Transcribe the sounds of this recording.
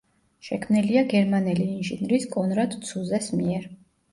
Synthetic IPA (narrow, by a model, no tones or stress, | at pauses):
ʃɛkʰmniliaɡɛɾmanɛliːnʒinɾiskʼɔnɾad̪t̪sʰuzɛsmiɛɾ